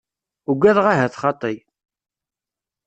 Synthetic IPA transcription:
uɡʷæðʁaɦæθχɑt̪ˤːəj

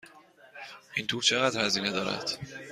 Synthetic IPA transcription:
ʔint̪ʰuːɾt͡ʃʰe̞ɣæːd̪ɾhæziːne̞d̪ɒːɾæ̰d̪̥

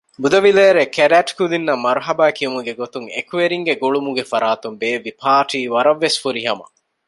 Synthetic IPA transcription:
bud̪ɐʋileːɾekeɾæːʈkud̪inːɐmɐɾuɦɐbæːkijumuɡeɡot̪uŋḛkuʋeɾiŋɡeɡuɭumuɡefɐɾaːt̪umbeːʋipʰaːʈiːʋɐɾɐʋːesfuɾiɦɐmɐ̰

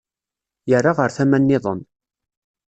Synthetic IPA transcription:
jərːaʁəɾθæmænːɪðˤən

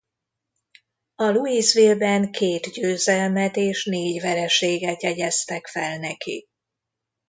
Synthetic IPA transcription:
ɒluiːzʋiːlbɛŋkʰeːt̪ɟøːzɛlmɛt̪eːʃneːɟʋɛɾɛʃeːɡɛt̪jɛɟɛst̪ɛkfɛlnɛkḭ

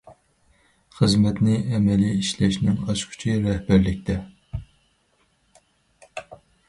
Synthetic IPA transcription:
χəzmɛt̪nɪɛmɛliiʃlɛʃnɪŋɑʃkʲʰy̥t͡ʃʰiɾɛhbæɾlɪkʲt̪ʰɛ

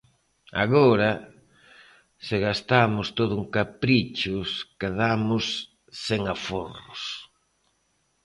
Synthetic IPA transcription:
a̰ɣoɾa | sɪɣast̪amʊst̪oðʊuŋkapɾit͡ʃʊskeðamʊsː | eŋaforʊs

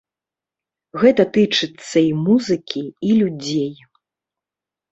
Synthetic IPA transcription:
ɣɛt̪ɐt̪ɨt͡ʂɨt̪sːɐimuzɨkʲiːlʲud͡zʲej

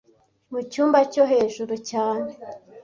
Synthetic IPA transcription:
mucuːmbacoɦe̞ːʒuɾucaːne

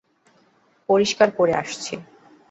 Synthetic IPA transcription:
poɾiʃkaɾkoɾea̰ʃt͡ɕʰi

